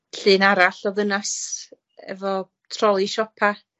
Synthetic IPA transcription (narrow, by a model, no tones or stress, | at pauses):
ɬɨːnaɾaɬɔðənas | ɛ̰vɔ | tʰrɔlˠiʃɔpʰa